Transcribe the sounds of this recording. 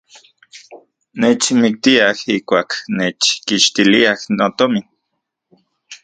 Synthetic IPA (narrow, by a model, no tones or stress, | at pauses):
neːt͡ʃmik̚t̪iahihkʷaːkneːt͡ʃkiʃt̪iliahnot̪omin